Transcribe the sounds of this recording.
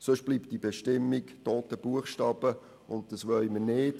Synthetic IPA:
sʊʃb̥liːpt̚d̥ibeʃtɪmːiktoːt̪əb̥uəχʃtɑːb̥ə | ʊntd̥ɑsʋœʏmənɪːt

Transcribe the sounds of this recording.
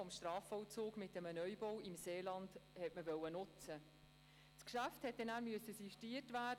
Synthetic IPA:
ɔmʃtrɑːfɔwt͡soːɡmɪtːəmənœʏbɔwɪmseːlɑnd̥hɛtməvœwənʊt͡sə | skʃæfthɛt̚dɛnæːɾmyəsəsiʃtiːətvæːd

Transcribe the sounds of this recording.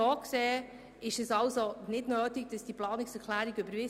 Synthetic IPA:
oːkseː | ɪʃɛsɑlsonɪdnøːtiɡ̥̚d̥ɑsd̥iplɑːnɪksɛɾkʰlæːɾiɡʏbəɾvɪ

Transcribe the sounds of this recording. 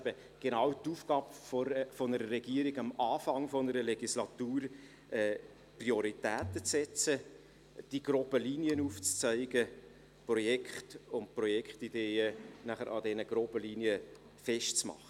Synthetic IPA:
bə | ɡ̥enɑwtuːfɡ̥ɑːbfofɔnəɾəɾɛɡ̥iːəɾɪɡɑmɑːfɑŋfɔnəɾəlɛɡislɑtuːɾ | ʔɛː | priɔɾitɛːtət͡sɛt͡sə | d̥iɡ̥rɔbəliniənuːft͡st͡sœɪɡə | prɔjɛkχtʊntprɔjɛkχtideːənæχəɾʔɑ̰dɛnəɡ̥ɾobəliniə | fɛʃtt͡smɑ̰χə

